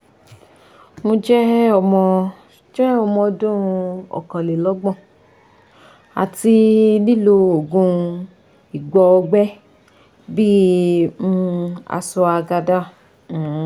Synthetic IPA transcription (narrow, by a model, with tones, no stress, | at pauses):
mo˧d͡ʒɛ˦ɔ˨mɔ̃˧ | d͡ʒɛ˦ɔ˧mɔ̃˧dũ˦˧ɔ̰˨kã˨le˨lɔ˨˦ɡ͡bɔ̃˦˨ | a̰˨ti˧li˦lo˧o˨ɡũ˧ | i˨ɡ͡bɔ˧ɔ˧ɡ͡bɛ˦ | bi˦mũ˦a̰˧su˧a˧ɡa˧dã˦˨˦